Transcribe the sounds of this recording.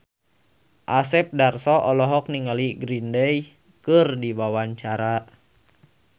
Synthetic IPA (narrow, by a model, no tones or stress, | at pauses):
ʔasɛp̚darsɔʔɔlɔɦɔk̚niŋaliɡɾindɛj | kɨrdiwawaɲt͡ʃaɾa